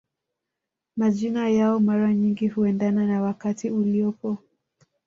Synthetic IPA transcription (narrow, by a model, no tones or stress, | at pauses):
maʄinajaɔmaɾaɲiŋɡihuɛndananawakatiuliɔpɔ